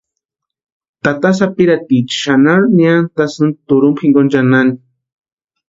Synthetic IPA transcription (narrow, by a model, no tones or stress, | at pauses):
t̪at̪as̬apiɾat̪it͡ʃʃananiant̪asɨnt̪uɾumpxiŋɡond͡ʒanani